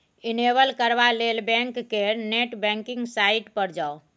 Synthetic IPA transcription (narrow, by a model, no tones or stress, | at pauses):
inebəlkəɾbalelbɛ̃ŋkːeneʈbɛ̃ŋkɪŋɡsaiʈpəɾd͡ʒao